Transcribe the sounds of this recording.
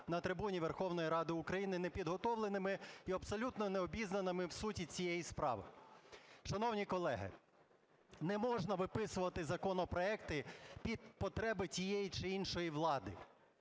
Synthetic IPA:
nɐt̪ɾɪbunʲiʋɛrxɔwnɔjiɾɑd̪ɪʊkɾɐjinɪnɛpʲid̪ɦɔt̪ɔʋlˠenɪmɪiɐbsɔlʲut̪nɔnɛɔbʲiznɐnɪmɪwsutʲit͡sʲijɛjispɾɑ̰ʋɪ̰ | ʃɐnɔwnʲikɔlˠɛɦɪ̰ | nɛmɔʒnɐʋɪpɪsʊʋɐt̪ɪzɐkɔnɔpɾɔɛkt̪ɪpʲid̪̚pɔt̪ɾɛbɪt͡sʲijɛjit͡ʃɪinʃɔjiʋlˠɑd̪ɪ̰

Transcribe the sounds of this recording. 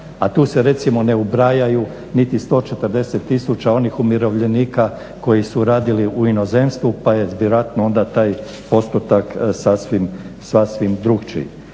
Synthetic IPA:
at̪uːse̞ɾe̞t̪simo̞ne̞ubɾajaju | nit̪ist̪o̞ːt͡ʃet̪ərɾd̪e̞set̪ːisut͡ɕao̞nixumiɾo̞ʋʎe̞niːka | ko̞jisuɾaːd̪iliʔuino̞ze̞mst̪ʋupaje̞ʋjeɾoat̪noo̞nd̪at̪aːj | po̞st̪ut̪aksasʋimsʋasʋimd̪ɾuɡt͡ʃḭ

